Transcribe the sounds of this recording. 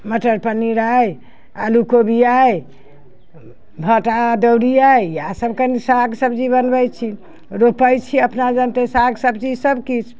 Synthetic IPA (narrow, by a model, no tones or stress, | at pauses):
məʈəɾpəniɾaj | a̰lukobijaj | bʱəʈaɖəwɾijajjasəbkənisaɡsəbd͡ʒibənbəjt͡ʃʰi | ɾopəjt͡ʃʰiəpnad͡ʒənt̪esaɡsəbt͡ʃid͡ʒsəbkit͡ʃʰ